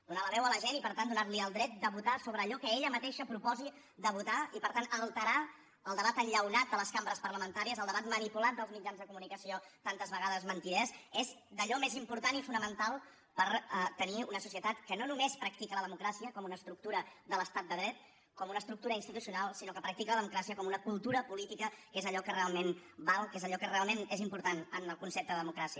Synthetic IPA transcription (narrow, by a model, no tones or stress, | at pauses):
d̪unaləβɛwələʒenipəɾt̪and̪unaɾliəlˠd̪ɾɛt̪̚d̪əβut̪asoβɾəːʎɔkəeʎəmət̪eʃəpɾupɔzi | d̪əβut̪aipəɾt̪anəlˠt̪əɾa | əlˠd̪əβat̪əʎʎəwnat̪̚d̪ələskambəɾəspərləmənt̪aɾiəzəlˠd̪əβat̪mənipulat̪̚d̪əlˠzmid͡ʒanzðəkumunikəsiot̪ant̪əzβəɣaðəzmənt̪iɾɛzezd̪əʎɔmezimpuɾt̪anifunəmənt̪alˠ | pəɾt̪əniunəsusiət̪at̪kənonumespɾək̚t̪ikələðəmukɾasiəkɔmunəst̪ɾuk̚t̪uɾəd̪ələst̪at̪̚d̪əðɾɛt̪̚ | kɔmunəst̪ɾuk̚t̪uɾəinst̪it̪usiunalˠsinokəpɾək̚t̪ikələðəmukɾasiəkɔmunəkulˠt̪uɾəpulit̪ikəkezəʎɔkərealˠmenbalˠkezəʎɔkərealˠmenezimpuɾt̪anənəlˠkunsɛp̚t̪əðəðəmukɾasiə